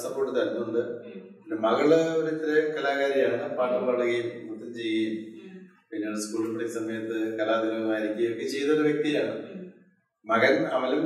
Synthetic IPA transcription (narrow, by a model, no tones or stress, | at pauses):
sɐpːo̞ːʈːɨt̪ɐnunːuɳɖɨ | nɐmɐɣɐɭɐoɾuit̪ːɾekɐlaːɣaːɾjijaːɳeɳːɐpaːʈːɐlpɐɭuɣɐjummut̪ːɐmt͡ɕejːɐju | pinːeoɽeskuːɭupːɐɽiksɐmɐjɐt̪ːɨkɐlaːd̪iʋɐɣɐmaːjiɾikʲːujɐokːɨt͡ɕejnɐoɾɐʋjek̚t̪ijaːɳɨ | mɐɣɐnɐʋɐlum